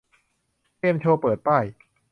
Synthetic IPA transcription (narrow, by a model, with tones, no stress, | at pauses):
i˧ənt͡ɕʰoː˧pɤː˨˩t̪̚pa˥˩j